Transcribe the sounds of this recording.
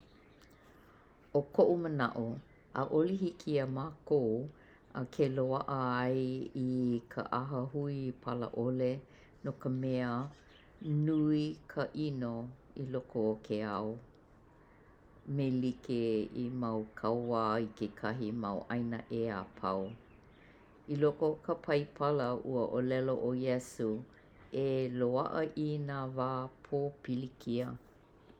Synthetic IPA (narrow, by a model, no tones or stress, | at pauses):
okʰoʔumənɐ̰ʔu | a̰ʔolihikʰiɐmaːkow | əkʰeloɐʔəɐjikʰə̰ʔɐɦəhuipʰɐlə̰ʔole | nokəmɛə | nuikʰəʔino | ilokʰoːkʰeɐw | melikeimɐwkʰɐwaːikekʰɐɦimɐwʔɐjnə̰ʔeapʰɐw | ilokokəpʰɐjpʰɐləṵəʔolɛloʔojɛsu | eloɐʔəʔinaːvaːpʰoːpilikʰiə